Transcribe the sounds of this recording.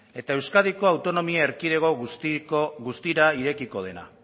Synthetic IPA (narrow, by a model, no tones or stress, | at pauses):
e̞t̪ae̞wskaðiko̞awt̪o̞no̞miaeɾkiðe̞ɣo̞ | ɣust̪iɾaiɾe̞kiko̞ð̞e̞na̰